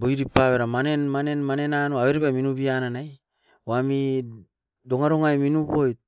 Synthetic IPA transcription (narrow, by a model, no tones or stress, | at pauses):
bojɾipaβeɾamanenmanenmane̞nanoaβeɾiβaminuβiananaj | wami | doŋaɾoŋajminuβojt̚